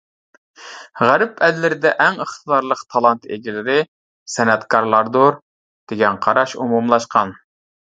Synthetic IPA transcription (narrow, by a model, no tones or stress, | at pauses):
ʁæɾɪpʰɛllːɪɾɪd̪ɛʔæŋəχt̪ʰəd̪ɑɾlˠəqt̪ʰɑlˠɑnt̪ḛɡʲilɪɾɪ | sɛnɛt̪kʰɑɾlˠɑɾd̪oɾ | d̪̥eɡʲɛnqʰɑɾɑʃumumlˠɑʃqɑn